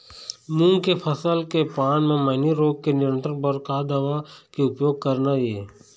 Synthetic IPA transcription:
mũːŋkepʰəsəlkepaːnmẽməɪniɾoːɡ̚kenɪɾə̃nt̪ɾə̃npəɾkaːd̪əʋakeʊpjoːɡ̚kəɾnaeː

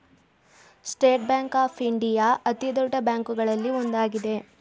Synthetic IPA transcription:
sʈeːʈ̚bjaːŋkaːpʰiɳɖijaːʔɐt̪id̪ɔɖɐbjaːŋkuɡɐɭɐlːiond̪aːɡid̪e̞

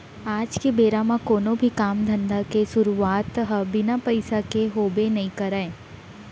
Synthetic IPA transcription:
aːd͡ʒkebeːɾamãkoːnõbʱikaːmd̪ʱə̃nd̪ʱakesʊɾuaːt̪ɦəbɪnapɐɪsakeɦoːbenɐɦĩkɐɾae

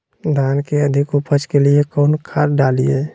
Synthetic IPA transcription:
d̪ʱaːnkeəd̪ʱɪkupʰət͡ʃkeliekɔnkʰaɾɖalie

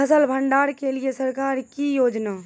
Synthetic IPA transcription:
əsəlbʱə̃ɳɖaːɾkeliesəɾkaːɾkijoːd͡ʒnaː

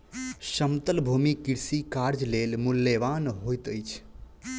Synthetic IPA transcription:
ʃəmt̪əlbʱumikiɾsikaɾd͡ʒlelmulːeʋanɦojt̪əjt͡ʃʰ

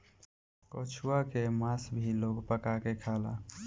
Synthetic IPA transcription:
koːt͡ʃʰuakemaːsbʱiloːɡpəkakekʰaːla

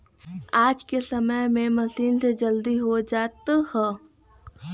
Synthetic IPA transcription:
aːd͡ʒkesəməjmẽmɐsiːnsed͡ʒəld̪iɦod͡ʒaːt̪hɛː

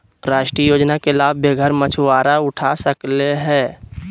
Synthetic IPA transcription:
ɾaːʃʈɾiəjoːd͡ʒnakelaːbbeːɡʱəɾmət͡ʃʰwaːɾaʊʈʰasəkleɦɛː

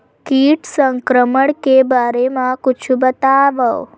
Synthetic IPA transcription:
kiʈsəŋkɾəməɽkebaɾemãkʊt͡ʃʰubət̪aʋəw

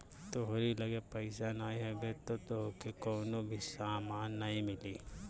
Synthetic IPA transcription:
t̪oɦoɾilɐɡepɐɪsanaːiɦɛbet̪ot̪oɦokekoːnobʱisaːmaːnːɐɦĩmɪliː

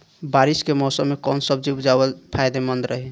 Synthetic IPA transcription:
baɾiskemɔsəmːekɔnsəbd͡ʒibd͡ʒabəlpʰajd̪emənd̪ɾʔəɦi

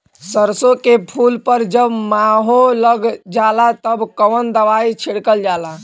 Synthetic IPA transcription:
səɾsokepʰulpəɾd͡ʒəbmaɦoləɡd͡ʒalat̪əbkəʋənd̪əʋait͡ʃʰiɽkəld͡ʒala

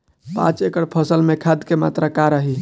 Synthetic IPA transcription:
pã̰t͡ʃekəɽpʰəsəlmekʰad̪kema̰t̪ɾakaɾəɦi

